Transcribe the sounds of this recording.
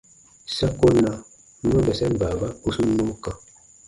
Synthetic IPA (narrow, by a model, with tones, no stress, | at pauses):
sa˦ko˦na˨˦ | ma˦bɛ˨sɛ˦n˨ba˨ba˦ku˦su˦no˦ka˨